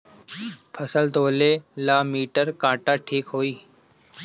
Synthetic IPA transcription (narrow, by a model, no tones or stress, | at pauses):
pʰəsəlt̪oːleːlaːmiːʈəɾkãːʈaːʈʰiːkɦoːiː